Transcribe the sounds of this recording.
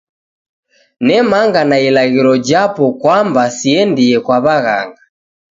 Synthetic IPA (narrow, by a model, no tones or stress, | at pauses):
nɛmaŋɡanailaɣiɾɔd͡ʒapɔkwambasiɛndiɛkwaβaɣa̰ŋɡa